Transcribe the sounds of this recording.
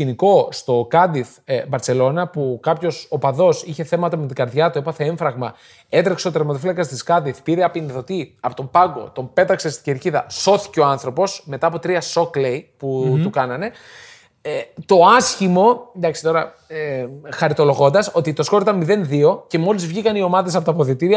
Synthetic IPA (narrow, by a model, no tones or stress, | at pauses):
iniko̞st̪o̞kɐd̪iθ | vɐɾt͡se̞lo̞nɐpukɐpço̞sopɐðo̞siçe̞θe̞mɐt̪ɐmet̪̬iɡɐɾðʝɐt̪ue̞pɐθe̞e̞ɱfɾɐɣmɐ | e̞t̪ɾekseot̪ɾeɾmɐt̪ofilɐkɐst̪iskɐd̪iθpiɾeɐpinθo̞t̪iɐpo̞t̪mpɐŋɡo̞̰t̪o̞mpe̞t̪ɐkse̞st̪i̥ɟeɾciðɐ̰so̞θi̥ceo̞ɐnθɾo̞po̞sme̞t̪ɐːpo̞t̪ɾiɐso̞klejput̪ukɐnɐne̞ | t̪o̞ɐsçimo̞d̪ɐksi̥t̪o̞ɾɐ | exɐɾit̪o̞lo̞ɣo̞nd̪ɐso̞t̪it̪o̞sko̞ɾt̪ɐmiðe̞nðio̞ce̞mo̞lizvʝikɐnio̞mɐðes̬ɐpot̪ɐpoðit̪iɾiɐ